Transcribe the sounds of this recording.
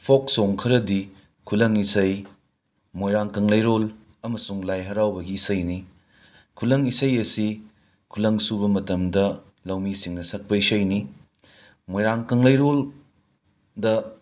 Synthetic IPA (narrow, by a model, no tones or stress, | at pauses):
pʰoksoŋkʰɐɾɐdi | kʰulɐŋisɐj | mojɾaŋkɐŋlɐjɾol | ɐmɐsuŋlajɦɐɾawbɐɡiːsɐjni | kʰulɐŋisɐjɐsi | kʰulɐŋsubɐmɐtɐmdɐ | lɐwmisiŋnɐsɐk̚pɐisɐjni | mojɾaŋkɐŋlɐjɾol | dɐ